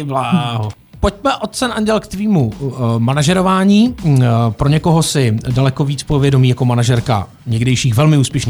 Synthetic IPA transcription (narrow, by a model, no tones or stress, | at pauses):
blaːɦo | poc̚mɛʔot̪̚t͡sɛnʔaɲɟɛlkt̪viːmumanaʒɛɾovaːɲiːpɾoɲɛko̞ɦosɪdalɛko̞viːt͡spovjɛdo̞miːjako̞manaʒɛɾka̰ | ɲɛɡdɛjʃiːxvɛlmɪuːspjɛʃni